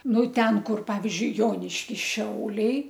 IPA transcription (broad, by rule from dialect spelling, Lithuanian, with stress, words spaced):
ˈnʊ ˈtʲɛn ˈkʊr ˈpɑːʋʲɪzʲd͡ʒʲʊɪ ˈjoːnʲɪʃʲkʲɪs ˈʃʲɛʊlʲɛɪ